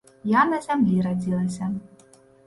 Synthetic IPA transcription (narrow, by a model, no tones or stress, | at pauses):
janɐzʲamlʲiɾad͡zʲilˠɐsʲɐ